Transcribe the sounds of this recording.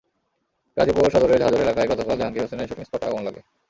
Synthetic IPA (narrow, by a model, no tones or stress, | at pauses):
kad͡ʑipooʃɔd̪oɾed͡ʑɦad͡ʑoɾelakajɡɔt̪okalaŋkiɦosenaʃopiŋspɔʈa̰a̰onlɔɡe